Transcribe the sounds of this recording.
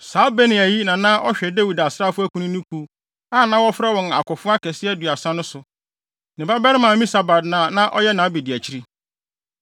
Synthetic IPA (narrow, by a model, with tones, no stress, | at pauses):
saː˨˦be˦nɪ̃˨æ˨ji˦nã˨nã˦ʔɔ˦ɕᶣɛ˨dæ˦wi˨da˨sɾa˦fʊ˦æ˦kʰũ˦nʊ̃˦nũ˦kʰu˦ | a˦˨nã˦wɔ˦fɾɛ˦wɔ̃˨n˨a̰˨kʊ˨fʊ˦a˦kʰɛ˨sɪ˦ɛ˦dɥa˨sã˦nʊ̃˦sʊ˨ | nɪ̃˨ba˦bɛ˦ɾɪ˦mã˨mĩ˦sa˨ba˨dnã˨nã˦ʔɔ̰˦jɛ˦nã˨˦bi˨dɪ˨æ˨t͡ɕʰi˦ɾi˦